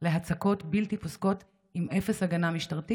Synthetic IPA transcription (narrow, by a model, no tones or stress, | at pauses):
le̞ɦat͡sako̞tbiltiposko̞t | imʔefesaɡanamiʃtaʁti